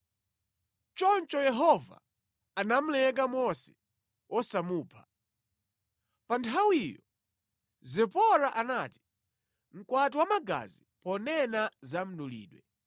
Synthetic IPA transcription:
t͡ʃɔnt͡ʃɔjɛɦɔva̰ | anam̩lɛk̬amɔsɛ̥ | wʔɔsamuːpʰḁ | pantʰawijɔ | zɛpɔɾaʔanaːti̥ | m̩kwat̬iwamaɡa̰zi | pɔnɛnazam̩ɗulḭːɗwɛ̰

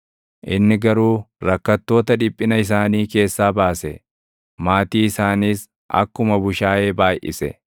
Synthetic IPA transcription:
ʔɪnːɪɡɐɾuːɾɐkːɐt̪ːo̞ːt̪ɐᶑɪpʼːɪnɐɪs̬aːniːke̞ːsːaːbaːsɛ | maːt̪iːɪsaːniːs | ʔɐ̰kːʊmɐbʊʃaːʔe̞ːbaːjʔɪ̰sɛ̰

